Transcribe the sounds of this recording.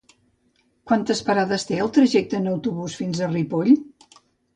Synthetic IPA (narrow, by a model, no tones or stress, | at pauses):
kwant̪əspəɾaðəst̪eəlˠt̪ɾəʒɛk̚t̪əːnəwt̪uβusfinzəripoʎ